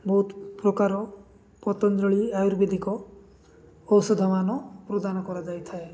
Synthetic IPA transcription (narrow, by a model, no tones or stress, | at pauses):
bɔɦut̪pɾɔkaɾɔ | pɔt̪ɔnd̪ɾɔɭiajuɾbed̪ʱikɔ | ɔwsɔd̪ʱamanɔpɾod̪anɔkɔɾad͡ʒajt̪ʰae